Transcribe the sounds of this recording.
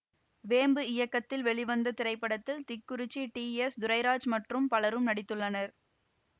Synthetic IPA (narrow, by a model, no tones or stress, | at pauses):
ʋeːmbɯɪjɐkːɐt̪ːɪlʋɛɭɪʋɐnd̪ɐt̪ɪɾɐɪpːɐɽɐt̪ːɪlt̪ɪkːʊɾɪt͡ʃːiʈiːɛsd̪ʊɾɐɪɾaːd͡ʒmɐʈrɯmpɐlɐɾɯmnɐɽɪt̪ːɯɭːɐnɐɾ